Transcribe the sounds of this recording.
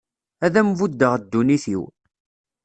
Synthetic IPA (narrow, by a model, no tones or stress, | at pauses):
æðæmvud̪ːəʁd̪ːuniθiw